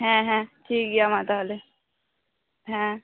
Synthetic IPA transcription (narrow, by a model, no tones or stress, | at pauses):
ɦɛ̃ɦɛ̃ʈʰiːk̚ɡijamat̪ale | ɦɛ̃